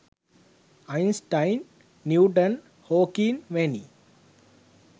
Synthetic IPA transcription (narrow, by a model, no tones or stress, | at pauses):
aɪnsʈãɪnː | juːʈən | hoːkinʋeni